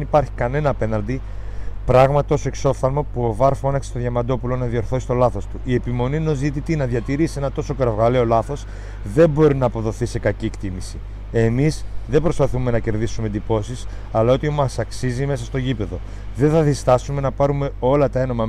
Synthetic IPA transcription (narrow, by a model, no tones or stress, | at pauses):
nipɐɾçikɐne̞nɐːpe̞nɐnd̪i | pɾɐɣmɐt̪o̞soe̞kso̞fθɐlmopuovɐɾfonɐksi̥st̪oðʝɐmɐd̪o̞pulo̞nɐðio̞ɾθo̞sist̪o̞lɐθo̞st̪uie̞pimo̞nieno̞zit̪it̪inɐðʝɐt̪iɾisie̞nɐt̪o̞so̞kɐɾɐvɣɐle̞o̞lɐθo̞s | ðe̞bo̞ɾinɐːpo̞ðo̞θise̞kɐciekt̪imisi | e̞misðebɾo̞spɐθume̞nɐce̞ɾðisume̞d̪ipo̞sis | ɐlɐo̞t̪iomɐsɐksizime̞sɐst̪o̞ʝipe̞ðo̞ | ðe̞nθɐðist̪ɐsume̞nɐpɐɾume̞o̞lɐt̪ɐe̞no̞mɐ